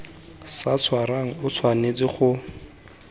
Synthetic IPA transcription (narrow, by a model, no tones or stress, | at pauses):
sat͡sʰwaɾaŋ̩ʊt͡sʰwanet͡sʼɪχʊ